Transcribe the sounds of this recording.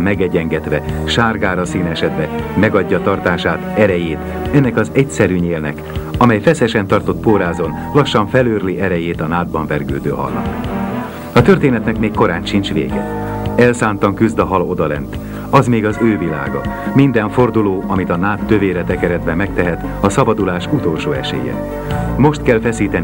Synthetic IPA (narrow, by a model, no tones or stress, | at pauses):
mːɛɡɛɟɛŋɡɛt̪ʋɛʃaːrɡaːɾɒsiːnɛʃɛd̪bɛmɛɡɒɟːɒt̪ɒrt̪aːʃaːt̪ɛɾɛjeːt̪ | ɛnːɛkɒzɛcsɛɾyɲeːlnɛ̰kɒmɛjfɛsɛʃɛnt̪ɒrt̪o̞t̪poːɾaːzo̞n | lɒʃːɒɱfɛløːrliʔɛɾɛjeːt̪ɒnaːd̪̚bɒɱvɛrɡø̰ːd̪ø̰ːɦɒ̰lnɒ̰k | ɒt̪ø̞rt̪eːnɛt̪nɛkmeːkːo̞ɾaːtʃint͡ʃʋḛːɡɛ̰ | ɛlsaːnt̪ɒŋkyzd̪ɒɦɒlo̞d̪ɒlɛ̰nt̪ | ɒzmeːɡɒzøːvila̰ːɡɒ̰ | mind̪ɛɱfo̞rd̪uloːʔɒmit̪ɒnaːt̪ːøveːɾɛt̪ɛkɛɾɛd̪bɛmːɛkt̪ɛɦɛt̪ | ɒsɒbɒd̪ulaːʃut̪o̞lʃoːɛ̰ʃḛːjɛ̰ | mo̞ʃt̪kɛlfɛsiːt̪ɛn